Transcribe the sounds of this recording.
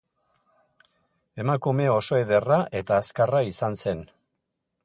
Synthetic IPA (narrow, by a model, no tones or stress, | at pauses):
e̞makume̞o̞so̞eðe̞raʔe̞t̪aːskaraisanse̞n